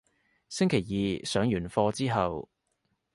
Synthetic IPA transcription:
sɪ˥ŋkʰe˨˩jjiː˨sœː˨˥ŋjyː˨˩nfɔː˧t͡siː˥ɦɐ˨w

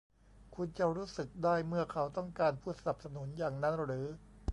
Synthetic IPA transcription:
kʰu˧nt͡ɕa˨˩ɾuː˦˥sɯ˨˩k̚daː˥˩jmɯ˥˩ɐkʰa˦wt̪ɔ˥˩ŋkaː˧npʰuː˥˩sa˧na˨˩p̚sa˧nu˩˦njaː˨˩ŋna˦˥nɾɯː˩˦

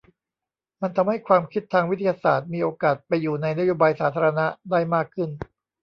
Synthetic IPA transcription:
ma˧nt̪ʰa˧mha˥˩jkʰwaː˧mkʰi˦˥t̪ʰːaː˧ŋwi˦t̪ʰːa˧jaː˧saː˨˩t̪̚miː˧ʔoː˧kaː˨˩t̪̚pa˧jːuː˨˩na˧jna˦˥joː˧baː˧jsaː˩˦t̪ʰaː˧ɾa˧na˦˥daː˥˩jmaː˥˩kʰːɯ˥˩n

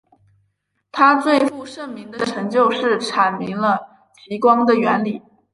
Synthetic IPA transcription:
t̪ʰa˥t͡swe˥˧ɪfu˥˧ʂə˥˩ŋmi˧˥ŋd̪ə˧ʈ͡ʂʰɤ˧˥ŋt͡ɕjo˥˧ʊʂɻ̩˥˩ʈ͡ʂʰa˨˩nmi˧˥ŋlə˧ | t͡ɕʰi˧˥kwɑ˥ŋd̪ə˨ɥɛ˧˥nli˨˩˦

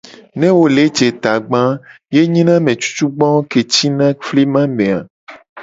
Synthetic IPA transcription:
nẽ˦wo˦le˨˦d͡ʒe˨t̪a˨ɡ͡bã˦ | je˦ɲĩ˦nã˦mẽ˨t͡ʃu̥˦t͡ʃu˦ɡ͡bɔ̃˦wo˦ke˨t͡ɕi˦nã˦fli˦mã˦mẽ˨a˨

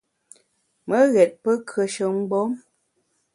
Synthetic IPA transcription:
mə˦ɣɛ˨t̚pə˦kʰɰə˨ʃə˨ŋ̩˦ɡ͡bɔ˦m

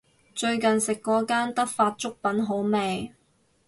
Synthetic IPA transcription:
t͡ʃɵ˧ɥkɐ˨nsɪ˨kːɔː˨˥kaː˥nt̪ɐ˥k̚faː˧t̚t͡ʃʊ˥k̚pɐ˨˥nɦo˨˥wmɛː˧j

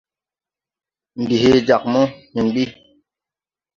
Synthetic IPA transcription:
m̩˨bi˨ɦe˦d͡ʒa˨k̚mɔ˦mi˨m˨bi˦

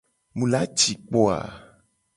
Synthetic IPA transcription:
mũ˨la˦t͡ʃi˨k͡pɔ˦a̰˨

